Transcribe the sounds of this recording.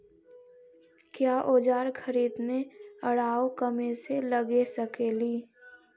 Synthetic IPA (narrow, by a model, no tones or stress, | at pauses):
kjaːʔoːd͡ʒaːɾkʰəɾiːd̪neəɽaːokəmẽseləɡesəkeliː